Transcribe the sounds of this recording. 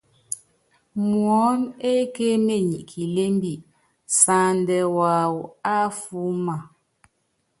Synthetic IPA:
mwɔ˨˦ne˦ke˦me˦˨ɲi˨ʔkʰi˨le˦m˦bi˨ʔ | sa˨ndɛ˨wa˨wu˨a˦fu˦ma˨

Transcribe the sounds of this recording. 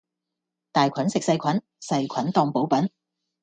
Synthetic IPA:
t̪aː˨jkʷʰɐ˨˥nsɪ˨k̚sɐ˧jkʰɐ˨˥n | sɐ˧jkʰɐ˨˥nt̪ɔː˧ŋpo˨˥wpɐ˨˥n

